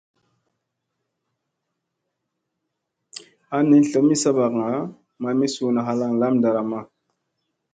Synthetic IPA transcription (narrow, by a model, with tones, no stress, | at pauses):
a˦ni˦n˦ɬə˨mi˦sa˦ba˨kŋa˨˦ | ma˨mi˦su˨na˨ɦa˦la˦ŋla˦mda˨ɾa˨ma˦